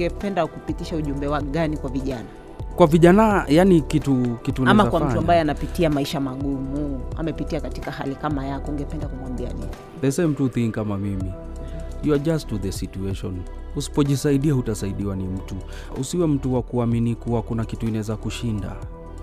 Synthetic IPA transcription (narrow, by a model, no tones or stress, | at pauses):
ŋɡɛpɛndakupitiʃauʄumbɛwaɠanikwaviʄana | kwaviʄanajanikitukitunamakwammtuambajɛanapitiamaiʃamaɠumua̰mɛpitiakatikahalikamajakɔŋɡɛpɛndakumwambia̰nḭni | ðɛsem̩tuθiŋkamamimi | juad͡ʒastuðɛsituɛʃɔ̰n | husi̥pɔʄisaiɗiahutasaiɗiwanim̩tu | usiwɛm̩tuwakuaminikuwakunakituinaɛzakuʃinda̰